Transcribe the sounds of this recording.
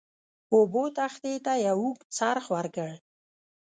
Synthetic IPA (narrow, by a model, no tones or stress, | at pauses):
obot̪axt̪et̪ajawukt͡saɾxwaɾɡəɽ